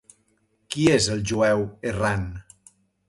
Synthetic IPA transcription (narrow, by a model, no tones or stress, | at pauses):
kiezelˠʒuɛweran